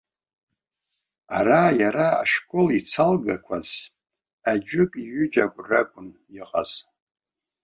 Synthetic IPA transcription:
aɾajaɾaa̰ʂkʼolit͡sʰalɡakʷʰaz̥ | ad͡ʒᶣɪkʼiɥʏd͡ʒaɡʷraɡʷʼʊn | iqʼa̰z̥

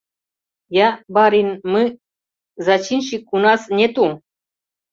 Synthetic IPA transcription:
jabaɾinmɨ | zat͡ʃinɕikːunasnʲet̪u

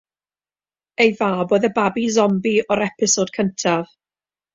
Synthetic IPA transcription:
ejvaːboːðəbabizɔmbiɔɾɛpʰɪsod̥kʰəntʰav

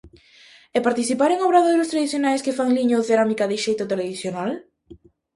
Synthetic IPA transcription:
ɛpaɾt̪iθipaɾeŋoβɾaðoɾʊst̪ɾaðiθjonajskɪfaŋliɲoθeɾamikaðɪʃejt̪ʊt̪eleðiθjonal

